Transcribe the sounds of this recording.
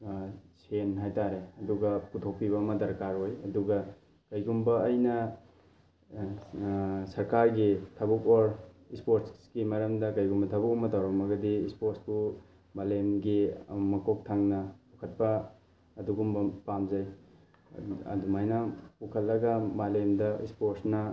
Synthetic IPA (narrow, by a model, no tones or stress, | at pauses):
senɦajtaɾeɐduɡɐkutʰok̚piβɐːmɐdɐɾkaɾojɐduɡɐ | kɐjɡumbɐːjnɐ | sɐɾkaɾɡitʰɐbukoɾ | ispoɾtsɡimɐɾɐmdɐkɐjɡumbɐtʰɐbukomɐtawɾɐmɐɡɐdiispoɾsbu | malemɡimɐkok̚tʰaŋnɐpukʰɐt̚pɐː | duɡumbɐpamzɐj | ɐ̰dumajnɐpukʰɐllːɐɡɐmalemdɐʔḭspoɾsnɐ